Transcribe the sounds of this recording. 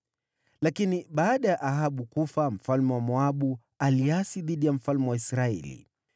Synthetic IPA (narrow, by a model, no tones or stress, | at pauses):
lakiniɓaːɗajaʔaɦaɓukufam̩falmɛwamɔaɓu | aliasiðiɗijam̩falmɛwaisɾaɛ̰lḭ